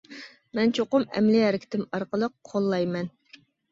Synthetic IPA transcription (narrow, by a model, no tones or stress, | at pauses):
mɛnt͡ʃʰoqʊmɛ̰mlɪɛɾɪkʲʰɪ̥t̪ʰɪmɑɾqəlˠəqʰːolˠːɑjmɛn